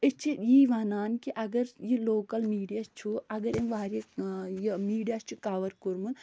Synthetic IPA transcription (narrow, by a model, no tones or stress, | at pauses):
et͡ʃʰijiːʋaːnaːnkiʔɐɡɐɾjiloːkɐlmiːɖijast͡ʃʰuɐɡɐɾemʋaːɾejimiːɖijaːst͡ʃʰukaːʋɐɾkuɾmun